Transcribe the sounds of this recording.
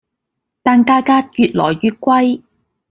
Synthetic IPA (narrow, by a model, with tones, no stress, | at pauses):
t̪aː˨nkaː˧kaː˥jyː˨˧t̚lɔ̰ː˨˩jːyː˨˧t̚kʷwɐ˥j